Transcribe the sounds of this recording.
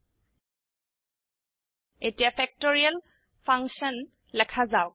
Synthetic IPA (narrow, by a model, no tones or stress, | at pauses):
etijapʰɛk̚toɹial | pʰaŋsɔn | lɛkʰazaʊ